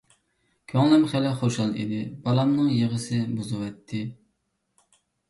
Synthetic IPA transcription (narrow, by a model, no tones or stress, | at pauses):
kʲʰøŋlˠɪmχælɪχoʃɑlˠḭd̪ɪbɑlˠɑmnɨŋjeʁəsɨbuzɨwɛt̪ʰːɪ